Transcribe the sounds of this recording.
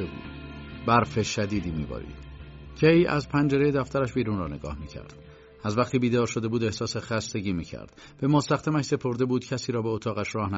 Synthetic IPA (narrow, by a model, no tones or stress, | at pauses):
ebṵːd̥̪bæɾfeʃæd̪iːd̪iːmḭːbɒ̰ːɾḭːd̪̥ | cʰejæ̰zpʰænd͡ʒe̞ɾe̞jed̪æft̪ʰæɾæʃbiːɾuːnrɒːne̞ɡɒ̰ːhmiːcʰæ̰ɾd̪̥ | æzvæqt̪ʰiːbiːd̪ɒːɾʃo̞d̪e̞buːd̪e̞hsɒːse̞xæst̪e̞ɟiːmiːcʰæ̰ɾd̪̥ | b̥e̞most̪æxd̪æmæʃse̞pʰo̞ɾd̪e̞buːd̪̥cʰæsiːɾɒːbeot̪ʰɒːɣæʃrɒːhnæ